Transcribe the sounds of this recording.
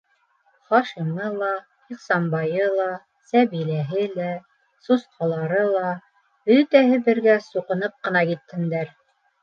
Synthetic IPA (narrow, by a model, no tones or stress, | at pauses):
χɑʃimɤlˠɑ | iqsɑmbɑjɤlˠɑ | sæβilæɦɘlæ | susqʰɑlˠɑɾɤlˠɑ | bɵt̪æhɘbɘ̆ɾɡæsuqɤ̆nɤp̚qɤ̆nɑkit̪ːɘ̆nd̪æɾ